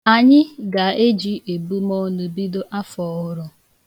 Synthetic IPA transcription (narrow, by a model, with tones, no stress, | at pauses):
a˨ɲɪ˦ɡa˨e˦d͡ʒi˦e˨bu˦mo˦nu˨bi˦do˦ʔa˦fɔ˨ʊ˦ɾʊ˦